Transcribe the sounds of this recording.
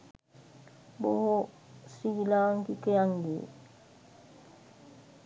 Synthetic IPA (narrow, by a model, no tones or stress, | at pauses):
boho | siilaŋkikejaŋɡḭ